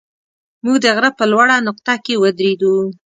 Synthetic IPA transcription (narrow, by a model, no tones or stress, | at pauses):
muɡd̪əɣɾəpəlwaɽanʊq̚t̪akewəd̪ɾed̪u